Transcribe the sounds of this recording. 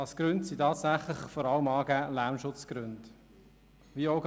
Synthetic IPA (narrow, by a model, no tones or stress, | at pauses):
ɑskɾʏntsitɑːtsæχlɪχfɔɾɑləmɑːɡæːlæmʃʊt͡skɾʉnt | viːoʊɡ